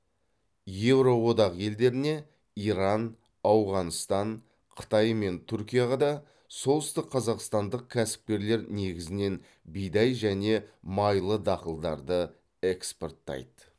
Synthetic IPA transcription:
je̞vɾo̞wo̞d̪ɑqje̞ld̪e̞ɾɪne̞ | iɾɑn | ɑwʁɑnst̪ɑɴ | qʰə̥t̪ɑjme̞nt̪ʰʏɾkʲijɑʁɑd̪ɑ | so̞lˠəst̪ɪqʰːɑzɑqst̪ɑnd̪əq̚kʲʰæsɪ̥p̚kʲe̞ɾle̞ɾne̞ɡʲɪzɪne̞n | bijd̪ɑjʒæne̞mɑjlˠəd̪ɑqəlˠd̪ɑɾd̪ə | e̞ksport̪ːɑ̰jd̪ə

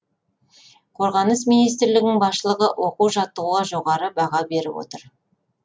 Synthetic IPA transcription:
qʰo̞ɾʁɑnəs̬minijs̬t̪ɾlɪɡʲnɪŋbɑsʃəlˠəʁəʔwo̞quʒɑt̪ːəʁuɑʒo̞ʁɑɾəbɑʁɑbe̞ɾɪ̰wo̰t̪əɾ

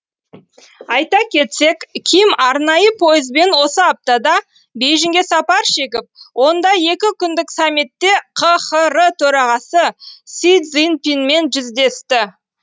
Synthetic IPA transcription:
ɑjt̪ɑkʲʰe̞t̪se̞kʲʰijɪmɑɾnɑjəpʰo̞jəzbe̞nwo̞səɑp̚t̪ɑd̪ɑ | be̞jʒɪŋɡʲesɑpɑɾʃe̞kʲɪp̚wʔo̞nd̪ɑje̞kʲɪkʲʰʏnd̪ɪksamːit̪ːe̞qʰəχəɾət̪ʰɵɾɑʁɑsəsid̪zinpinme̞nʒʏzd̪e̞st̪ɪ

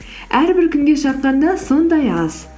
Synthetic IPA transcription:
æɾbɪɾkʲʰʏŋɡʲe̞ʃɑt̪̚qɑnd̪ɑso̞nd̪ɑjɑz̥

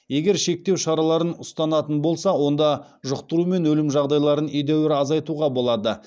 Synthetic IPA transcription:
je̞ɡʲe̞ɾʃe̞k̚t̪e̞wʃɑɾɑlˠɑɾənʊst̪ɑnɑt̪ənbo̞lˠsɑwo̞nd̪ɑ | ʒʊqt̪əɾume̞nwɵlɪmʒɑʁd̪ɑjlˠɑɾənejd̪ewɪɾɑzɑjt̪uʁɑbo̞lˠɑd̪ə

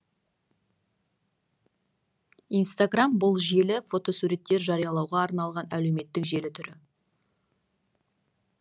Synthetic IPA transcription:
ijnst̪aɡrambʊlˠʒe̞lɪfo̞t̪o̞suɾe̞t̪ːe̞ɾʒɑɾijɑlˠɑwʁɑːɾnɑlˠʁɑnæle̞wme̞t̪ːɪkʒe̞lɪt̪ʰʏɾɪ

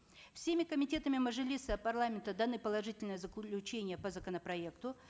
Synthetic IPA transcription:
fsʲemʲɪkəmʲɪtʲe̞t̪əmʲɪməʐɨlʲisəpɐrlˠamʲɪnt̪əd̪ɐnɨpəlˠɐʐɨtʲɪlʲnəjəzəkʲlʲʊt͡ɕenʲɪjəpəzəkənəpɾɐe̞kt̪ʊ

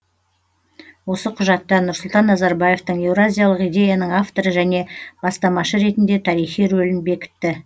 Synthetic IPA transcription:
wo̞səqʰʊʒɑt̪ːɑnʊɾsʊlˠt̪ɑnːɑzɑɾbaje̞ft̪əɴe̞wɾazʲijalˠəqijd̪ʲe̞janəɴaft̪o̞ɾəʒæne̞b̥ɑst̪ɑmɑʃəɾe̞t̪ɪnd̪e̞t̪ʰɑɾijχijɾɵlɪnbe̞kʲɪ̥t̪ːɪ

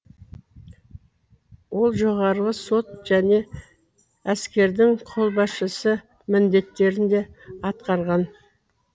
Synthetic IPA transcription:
wo̞lˠʒo̞ʁɑɾʁəso̞t̪̚ʒ̥æne̞ | æskʲe̞ɾd̪ɪŋqʰo̞lˠbɑsʃəsə | mɪnd̪e̞t̪ːe̞ɾɪnd̪e̞ɑt̪qɑɾʁɑn

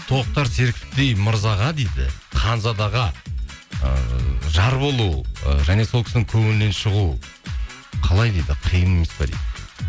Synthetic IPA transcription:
t̪ʰo̞q̚t̪ɑɾse̞ɾkʲʰɪt̪̚t̪e̞jməɾzɑʁɑd̪ejd̪ɪ̰ | qʰɑnzɑd̪ɑʁɑ | ə̰ʒɑɾbo̞lˠṵʒæne̞solˠkʲʰɪsɪnɪŋkʲʰɵŋɪnne̞nʃəʁu | qʰɑlˠɑjd̪ejd̪ɪqʰijəneme̞spɑd̪ḛdd̪ɪ

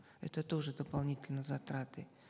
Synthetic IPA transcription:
ɛ̰t̪ət̪oʐɨd̪əpalˠnʲitʲɪlʲnəzɐt̪ɾat̪ɨ

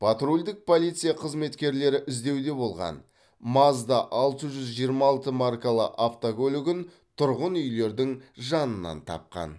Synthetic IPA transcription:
pʰɑt̪ɾulʲd̪ɪk̚pʰo̞lijt̪sɨjaqʰəzme̞t̪kʲe̞ɾle̞ɾɪʔɪzd̪e̞wd̪e̞bo̞lˠʁɑ̰n | mɑzd̪ɑʔɑlˠt̪əʒʏzʒijəɾmɑlˠt̪əmarkalˠə̰ʔaft̪okʲʰɵlɪɡʲɪn | t̪ʰʊɾʁənʏjle̞ɾd̪ɪŋʒɑnənːɑ̰nt̪ʰɑ̰p̚qɑ̰n

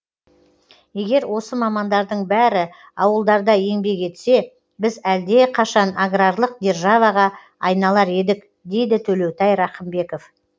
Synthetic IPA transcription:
je̞ɡʲe̞ɾwo̞səmɑmɑnd̪ɑɾd̪əɴbæɾɪ | ɑwəlˠd̪ɑɾd̪ɑje̞ŋbe̞ɡe̞t̪se̞ | bɪzæld̪e̞qʰɑʃɑnaɡrarlˠəq̚d̪ʲe̞rʒɑvɑʁɑ | ɑjnɑlˠɑɾe̞d̪ɪk | d̪e̞jd̪ɪt̪ʰɵle̞wt̪ɑjɾɑχəmbe̞ko̞f

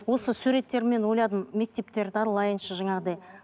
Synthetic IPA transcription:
wo̞səsuɾe̞t̪ːe̞ɾme̞nwo̞jlˠɑd̪əmme̞k̚t̪e̞p̚t̪e̞ɾd̪ɪɑɾəlˠɑjənʃəʒɑɴɑʁəd̪ej

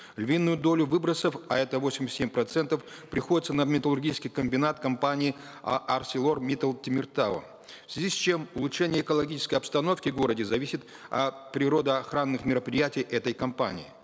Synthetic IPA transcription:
lʲvʲinːʊjʊd̪o̞lʲʊvɨbɾəsəfɐ̰ɛt̪əvosʲɪmʲsʲt̪ʲːemʲpɾɐt̪sɛnt̪əfpɾʲɪxo̞dʲɪt̪sənəmʲɪt̪əlˠʊrɡʲit͡ʃɪskʲɪjkəmʲbʲɪnat̪kɐmpanʲɪɪ | ɐ̰ʔɐrsʲɪlˠo̞rmʲit̪əlˠtʲɪmʲɪrt̪aə̰ | fsʲvʲɪzʲisʲt͡ɕe̞mʊlˠʊtʂɛnʲɪjəːkəlˠɐɡʲit͡ʃɪ̥skəjɐpst̪ɐno̞fkʲɪɡo̞ɾədʲɪzɐvʲisʲɪt̪ | ɐ̰pɾʲɪɾo̞d̪əɐxɾanːɨxmʲɪɾəpɾʲɪjætʲɪjʔɛt̪əjkɐmpa̰nʲɪ̰ɪ̰

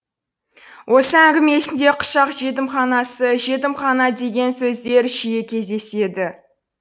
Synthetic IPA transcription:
wʔo̞səæŋɡʲɪme̞sɪnd̪e̞qʰʊ̥ʃɑqʒe̞t̪̬ɪmχɑnɑsəʒe̞t̪̬ɪmχɑnɑd̪e̞ɡʲe̞nsɵzd̪e̞ɾʒijekʲʰe̞zd̪e̞se̞d̪ɪ

